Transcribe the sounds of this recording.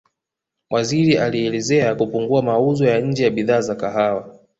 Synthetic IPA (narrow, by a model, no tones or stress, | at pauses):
wʔaziɾiʔaliɛlɛzɛakupuŋɡuamauzɔjaɲ̩d͡ʒɛjaɓiðaːzakaɦawa